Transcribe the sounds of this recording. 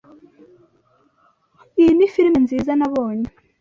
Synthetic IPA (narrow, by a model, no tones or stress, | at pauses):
inifiɾmenziːzanaβo̞ːɲe